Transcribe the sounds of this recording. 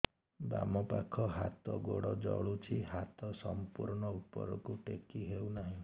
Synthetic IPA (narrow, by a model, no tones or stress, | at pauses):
ba̰mɔpakʰɔɦat̪ɔɡoɽɔd͡ʒɔɭut͡ʃʰiɦat̪ɔsɔmpuɾɳɔut̪̚pɔ̰ɾɔkuʈekiɦewnaɦĩ